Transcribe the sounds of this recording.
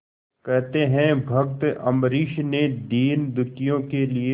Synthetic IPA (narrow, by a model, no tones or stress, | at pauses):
kɛɦt̪eɦɛ̃bʱɐk̚t̪ɐmɾiːʃned̪iːnd̪ʊɾkijõkelie